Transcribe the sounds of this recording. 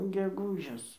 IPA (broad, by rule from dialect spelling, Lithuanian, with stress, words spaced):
ɡʲɛˈɡuːʒʲɪs